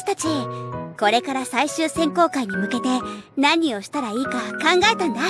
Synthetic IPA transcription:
i̥t̪at͡ɕiko̞ɾe̞kaɾasaiɕɨːsẽ̞ŋko̞ːkaiɲ̟imɯ̟ke̞t̪e̞naɲ̟io̞ɕi̥t̪aɾaiːkakãŋɡae̞t̪ãnd̪a

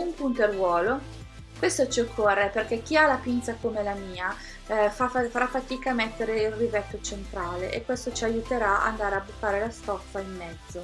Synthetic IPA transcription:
umpunt̪erwɔːlo | kwest̪ot͡ʃiokʰːorːeperk̟ek̟ialapint̪sakomelamiːa | fafaɾafːat̪iːkamɛt̪ːeɾeilrivɛt̪ːot͡ʃent̪ɾaːleʔekːwest̪ot͡ʃiajut̪eɾaa̰nd̪aːɾeabut̪ːaːɾelast̪ɔfːaimːɛd̪zːo

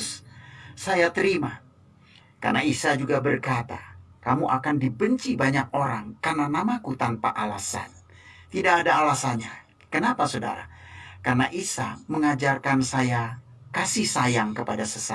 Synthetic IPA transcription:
ssajat̪əɾima | ka̰rnaisad͡ʒuɡabərkat̪a̰kamuʔakandibəɲt͡ʃibaɲak̚oɾaŋkarnanamakut̪anpa̰ʔalasa̰n | t̪idakːdaːlasanɲa | kənapasoda̰ɾa̰karnaʔisa̰məŋad͡ʒarkansaja | kasihsajaŋkəpadasəsa

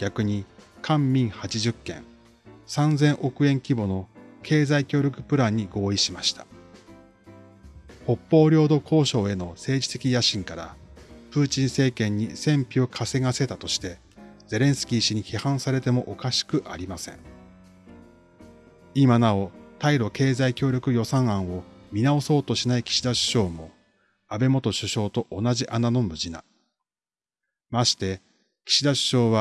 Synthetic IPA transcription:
ɡ̥ʲakɯ̟ɲ̟ikʰãmːʲĩɰ̃hat͡ɕiʑɨkːẽ̞̰ŋ | sãnd͡zẽ̞ɰ̃ʔo̞kɯ̟ẽ̞ŋkʲibo̞no̞kʰe̞ːzaikʲo̞ːɾʲo̞kɯ̟pɯ̟ɾãɲ̟ːiɡo̞ːiɕimaɕi̥t̪ḁ | ho̞pːo̞ːɾʲo̞ːd̪o̞kʰo̞ːɕo̞ːe̞no̞se̞ːd͡ʑi̥t̪e̞kʲijaɕĩŋkaɾa̰pɯ̟ːt͡ɕĩɰ̃se̞ːkẽ̞ɲ̟ːisẽ̞mpʲio̞kʰase̞ŋase̞t̪at̪o̞ɕi̥t̪e̞ | ze̞ɾẽ̞ɰ̃sɨ̥kʲiːɕiɲ̟içihãɰ̃saɾe̞t̪e̞mo̞ʔokaɕi̥kɯ̟ʔa̰ɾʲimasẽ̞̰ɴ | imanao̞t̪aiɾo̞ke̞ːzaikʲo̞ːɾʲo̞kɯ̟jo̞sãɰ̃ãɰ̃o̞mʲinao̞so̞ːt̪o̞ɕinaikʲi̥ɕid̪aɕɨ̥ɕo̞ːmo̞ | abe̞mo̞t̪o̞ɕɨɕo̞ːt̪o̞ʔonaʑiʔanano̞mɯ̟ʑina̰ | maɕi̥t̪e̞ | kʲi̥ɕid̪aɕɨ̥ɕo̞ːβa

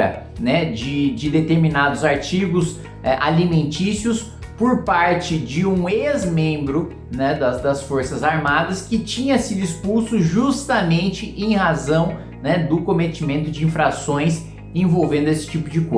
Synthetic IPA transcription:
ɐ̰ | nɛd͡ʒɪd͡ʒɪd̪et̪eɾminad̪ʊzaɾt͡ʃiɡʊs | ɛʔalimẽnt͡ʃisiʊs | poɾpaɾt͡ʃɪd͡ʒɪũezmẽmbɾʊ | nɛd̪ɐzd̪ɐsfoɾsɐzaɾmad̪ɐskɪt͡ʃĩɲɐsid̪ʊispuwsʊʒust̪ɐmẽnt͡ʃɪʔẽj̃hazɐ̃w̃ | nɛd̪ʊkõmet͡ʃimẽnt̪ʊd͡ʒɪĩfɾasõj̃s | ẽvowvẽnd̪ʊesɪ̥t͡ʃipʊd͡ʒɪko

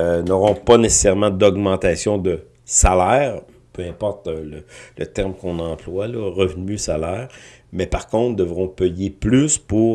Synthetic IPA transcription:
ønɔʁɔ̃panese̥sɛʁmɑ̃d̪ɔɡmɑ̃t̪asjɔ̃d̪ə | salɛːʁ | pøɛ̃pɔʁt̪lələt̪ɛʁmkɔ̃nɑ̃ːplwalɔʁəvnysalɛːʁ | mɛpaʁkɔ̃t̪d̪əvʁɔ̃pɛjeplyspuʁ

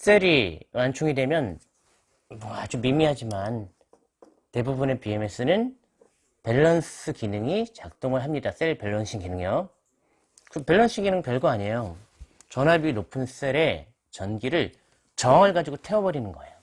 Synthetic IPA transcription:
s͈eɾimant͡ɕʰuŋidwe̞mjʌn | mʌad͡ʑumimiɦad͡ʑiman | te̞bubune̞pieme̞s͈ɯnɯn | pe̞ɭːʌns͈ʰɯkinɯŋit͡ɕak̚t͈oŋɯɭɦamɲidas͈eɭpe̞ɭːʌnɕʰinɡinɯŋjo | kɯpe̞ɭːʌns͈ʰɯɡinɯŋpjʌɭɡuaɲejo | t͡ɕʌnaɭbinopʰɯns͈eɾe̞ | t͡ɕʌnɡiɾɯɭ | t͡ɕʌaŋɯɭɡad͡ʑiɡotʰe̞ʌbʌɾinɯnɡʌejo

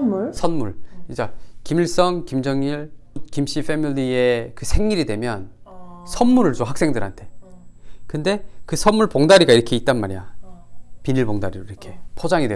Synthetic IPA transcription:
usʰʌnmuɭid͡ʑakimiɭs͈ʌŋkimd͡ʑʌŋiɭkimɕ͈ifʰe̞miliekɯsʰe̞ŋɲiɾidwe̞mjʌnsʰʌnmuɾɯɭt͡ɕoɦak̚s͈e̞ŋdɯɾɦa̰ntʰe̞ | kɯnde̞kɯsʰʌnmuɭpoŋdaɾiɡaiɾʌkʰeit̚t͈anmaɾija | piniɭboŋdaɾiɾoiɾʌkʰe̞pʰod͡ʑaŋidwe

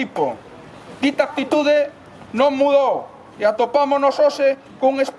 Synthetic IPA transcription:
ipo | d̪it̪aak̚t̪it̪uðe | nõŋmuðow | eat̪opamonosose | kuŋesp

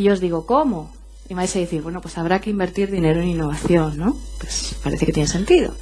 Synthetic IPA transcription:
ʎozðiɣokomo | iβajsaðeθiɾβwenopwesaβ̞ɾakeimbeɾt̪iɾðineɾoeninːoβ̞aθjonːõpwespaɾeθeket̪jenese̞nt̪iðo̰

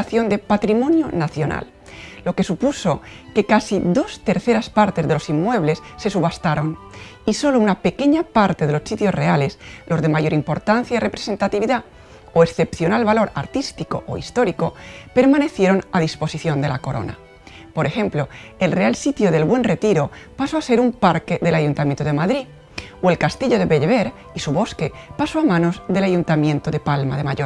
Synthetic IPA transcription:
aθjo̞nd̪e̞pat̪ɾimo̞njonaθjo̞na̰lː | o̞ke̞supuso̞ke̞kasiðo̞st̪e̞ɾθe̞ɾaspaɾt̪e̞zðe̞lo̞simːwe̞β̞le̞sːe̞suβast̪aɾo̞n | iso̞lounape̞ke̞ɲapaɾt̪eð̞e̞losːit̪jo̞zre̞ale̞slo̞zðemaʝo̞ɾimpo̞ɾt̪an̟θjairʔe̞pɾese̞nt̪at̪iβiða | oesθe̞pθjo̞nalβalo̞ɾa̰ɾt̪ist̪iko̞ʔo̰ḭst̪o̞ɾiko̞pe̞ɾmane̞θje̞ɾo̞nað̞ispo̞siθjo̞nd̪e̞la̰ko̞ɾo̞̰na̰ | poɾe̞xẽ̞mplo̞e̞lre̞alsit̪joðe̞lβwe̞nre̞t̪iɾopasoase̞ɾumpaɾke̞ðe̞laʝunt̪amjẽnt̪oðe̞maðɾi | oe̞lkast̪iʎo̞ðe̞βeʎβeɾ | isuβo̞ske̞pasoamãno̞zðe̞laʝunt̪amjẽ̞nt̪oðepalmaðemaʝo

